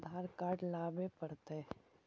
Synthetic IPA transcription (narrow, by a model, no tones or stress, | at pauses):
d̪ʱaːɾkaːɾɖlaːbepəɽt̪e